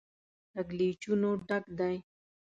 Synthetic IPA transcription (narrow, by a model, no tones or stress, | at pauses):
t̪aɡlit͡ʃunoɖakd̪aj